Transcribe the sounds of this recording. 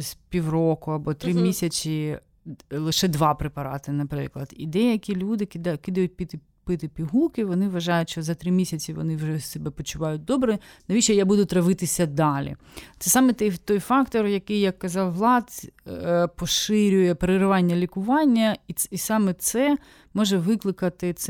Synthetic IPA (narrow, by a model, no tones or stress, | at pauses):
sʲpʲiwrɔkʊɐbɔt̪ɾɪmʲisʲɐt͡sʲi | lˠɪʃɛd̪ʋɑpɾɪpɐɾɑ̰t̪ɪnɐpɾɪ̰klˠɐd̪̥ḭd̪ɛjɐkʲilʲud̪ɪkɪd̪kɪd̪ɐjʊt̚ʲpʲit̪ɪ | pɪt̪ɪpʲiɦukɪʋɔnɪʋɐʒɑjʊtʲʃt͡ʃɔzɐt̪ɾɪmʲisʲɐt͡sʲiʋɔ̰nɪwʒɛsɛbɛpɔt͡ʃʊʋɑjʊt̚ʲd̪ɔbɾɛnɐit͡ʃɛjabud̪ʊt̪ɾɐʋɪt̪ɪsʲɐd̪ɑlʲḭ | t̪sɛsɑmɛt̪ɛjt̪ɔjfɑkt̪ɔrjɐkɪjjɐkːɐzɑwːlˠɑt̪ʲ | pɔʃɪɾʲʊjɛpeɾɪɾɪʋɑnʲːɐlʲikʊʋɑnʲːɐiisɑmɛt̪sɛ | mɔʒɛʋɪklˠɪkɐt̪ɪt̪s